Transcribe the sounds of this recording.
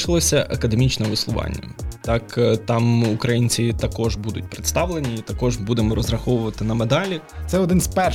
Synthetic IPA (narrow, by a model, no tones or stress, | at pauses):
ʃɪlˠɔsʲɐʔɐkɐd̪emʲit͡ʃnɛʋɪslˠʊʋɑ̰nʲːɐ̰t̪ɑkt̪ɑmukɾɐjinʲt͡sʲit̪ɐkɔʒbud̪ʊtʲpɾɪt̪st̪ɑʋlˠenʲit̪ɐkɔʒbud̪emɔɾɔzɾɐxɔʋʊʋɐt̪ɪnɐmed̪ɑlʲi | t̪sɛɔd̪ɪnzpɛ